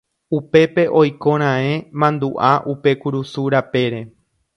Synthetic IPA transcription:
upe̞pe̞ʔo̞jkõ̞ɾ̃ãẽmãnd̪uʔaʔupe̞kuɾusuɾape̞ɾe̞

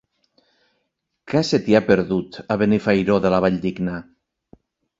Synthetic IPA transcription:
kaset̪iapeɾðut̪aβenifajɾoðelaβ̞aʎd̪iɡna

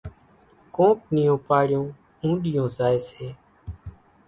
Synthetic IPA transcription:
kõːp̚nɪjõːpaːɽɪjõː | ũːɗɪjõːzaːeːseː

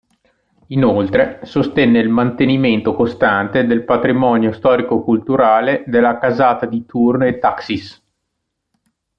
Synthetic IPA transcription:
inolt̪ɾesost̪ɛnːeilmant̪eniment̪okost̪ant̪ed̪elpat̪ɾimɔnjost̪ɔːɾikokult̪uɾaːled̪elːakazaːt̪ad̪it̪urnet̪ːaksis

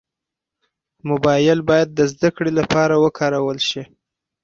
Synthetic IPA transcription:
mʊbɑjɪlbɑjad̪ːəzd̪akɽelapɑɾawəkʰɑɾawəlʃi

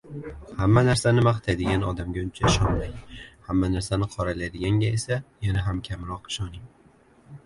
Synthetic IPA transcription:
hamːanaɾsanɪmaqɨt̪ʰajd̪ɪɡʲanɒd̪amɡʲaʊnt͡ʃʰaɪʃɒnmaŋhamːanaɾsanɪqʰɒɾalajd̪ɪɡʲaŋɡʲaesajanaɦamkʲʰamɾɒqɪ̥ʃɒnɪŋ

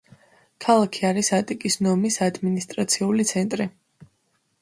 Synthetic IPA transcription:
kʰalˠakʰiaɾisat̪ʼikʼisnɔmisad̪minist̪ʼɾat̪sʰiulit̪sʰɛnt̪ʼɾi

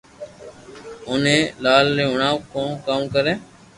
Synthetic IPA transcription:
ʊnẽːlaːlɾẽːɦʊɳaːkõːkaːmkəɾeː

